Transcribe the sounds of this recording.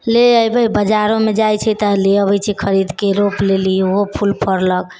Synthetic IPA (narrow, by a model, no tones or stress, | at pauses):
leəjbəjbəd͡ʒaɾõmed͡ʒajt͡ʃʰɛt̪əleəbəjt͡ʃʰikʰəɾid̪keɾoplelioɦopʰulpʰəɾlək